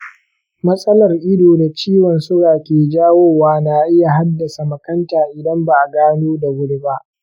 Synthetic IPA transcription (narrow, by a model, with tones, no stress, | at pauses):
mɐ˦sʼɐ˦lɐ˨rʔɪ˦doː˨da˨t͡ʃiː˦wɔ˨nsʊ˦ɽaː˨kʲeː˨d͡ʒaː˦woː˦waː˦na˨ʔɪ˦ja˨ɦa˦dːɐ˨sa˨mɐ˨kɐ˦ntaː˨ʔɪ˨dɐ˦mba˨ʔa˨ɡaː˦noː˦da˨wʊ˦ɽba˦ʔ